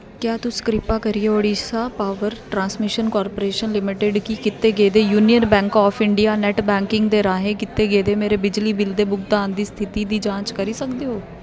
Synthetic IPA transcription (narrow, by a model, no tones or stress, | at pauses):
kjaːt̪ʊskɾɪpaːkəɾieːoːɽiːsaːpaːʋəɾʈɾãːnsmɪʃənkɔːɾpoːɾeːʃənlɪmɪʈeɖkikɪt̪ːeːɡeːd̪eːjuːnijənbɛ̃ːŋkɔːfʰɪɳɖijaːnɛʈbɛ̃ːŋkɪ̃ŋɡd̪eːɾaːɦẽːkɪt̪ːeːɡeːd̪eːmeːɾeːbɪd͡ʒliːbɪld̪eːbʊkd̪aːnd̪iːst̪ʰɪt̪iːd̪iːd͡ʒãːt͡ʃkəɾiːsəkd̪eːɦoː